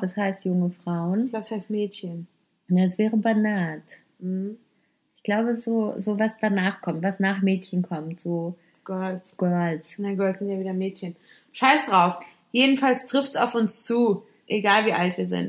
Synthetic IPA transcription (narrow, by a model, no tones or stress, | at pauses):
bɛshaɪstjʊŋəfʁ̥aʊənɡlaʊbəshaɪstmɛːtçən | naɛsv̥ɛːʁəbanaːt̩ | hm̩ | ʔɪçɡ̥laʊbəzoːzoːvasd̥anaːχkʰɔmtv̥asnaːχmɛːtçənkʰɔmtz̥oː | ɡ̥ɜɐlɡ̥œɐlsnaɡœɐlsz̥ɪntjaviːdɐmɛːtçən | ʃaɪsd̥ʁaʊf | jeːdn̩falstʁ̥ɪftsa̰ʊfʊnst͡suː | ʔeɡaːlviːʔaltviːɐzɪ̰nt